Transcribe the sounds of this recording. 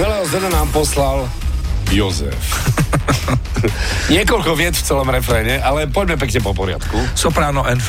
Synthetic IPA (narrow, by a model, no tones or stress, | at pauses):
ʋɛlɛɦɔzɛnanaːmpɔslal | bjɔzɛ̰f | ɲɪɛkɔlkɔʋɪɛt͡sft͡sɛlɔmɾɛfɾɛɲɛʔalɛpɔɟmɛp̬ɛkɲɛpɔpɔɾɪa̰t̪kusɔpɾaːnɔʔɛnf